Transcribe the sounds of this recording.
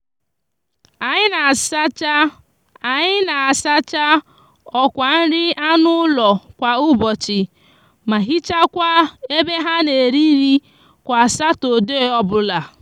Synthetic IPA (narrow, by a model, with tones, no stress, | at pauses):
a˨ɲɪ˦na˨sa˦t͡ʃa˦ | a˨ɲɪ˦na˨a˨sa˦t͡ʃa˦ | ɔ˦kʷa˨n̩˦ɾɪ˦a˦nʊ˦lɔ˨kʷa˨ʊ˦bɔ˨t͡ʃɪ˨ | ma˨ɦi˦t͡ʃa˦kʷa˦e˦be˦ɦa˦ne˨ɾi˦ɾi˦ | kʷa˨a˨sa˦to˨de˦˨˦ɔ˦bʊ˦la˨